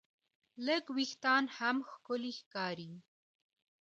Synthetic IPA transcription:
ləɡwixt̪ɑnhamxkʊlixkɑɾi

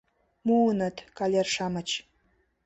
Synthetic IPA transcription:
munə̆t̪kɑlʲerʃɑmət͡ɕ

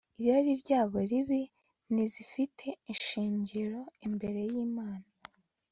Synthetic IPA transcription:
iɾaɾiɾɟaːβoɾiβi | nizifitʰe̞inʃiːɲɟiɾo̞imbe̞ɾe̞jiːmaːna

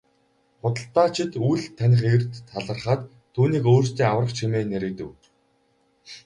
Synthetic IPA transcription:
χʊt̪ə̆ɬt̪aːt͡ɕʰɪ̆t̪ujɮt̪ʰːænʲɪ̆χert̪ʰːaɮə̆rχaːt̪ʰːuːniːkoːr̥st̪iːŋawrə̆χt͡ɕʰimeːneɾɘ̆kt̪ɘ̆w

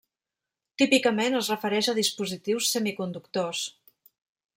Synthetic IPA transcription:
t̪ipikəmenəzrəfəɾɛʃəðispuzit̪iwsːɛmikund̪ukt̪os

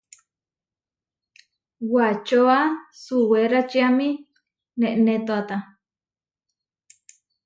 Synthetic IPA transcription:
wat͡ʃoasuweɾat͡ʃiamĩ | nẽʔnet̪oat̪a

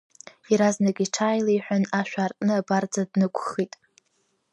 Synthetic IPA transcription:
iɾaznakʲʼiʈ͡ʂʰaːjlaiħʷᶣanaʃᶣʷaːrtʼnɨabard͡zadnɨkʷʰʼχitʼ

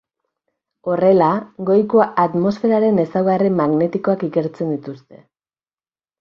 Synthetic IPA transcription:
o̞re̞laɡo̞jkoat̪mo̞sfe̞ɾaɾe̞ne̞sawɣarimaɣne̞t̪iko̞akike̞ɾt͡se̞nd̪it̪ust̪e̞

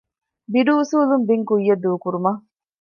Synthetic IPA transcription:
biɖuːsuːlumbiŋkujːɐd̪uːkuɾumɐ

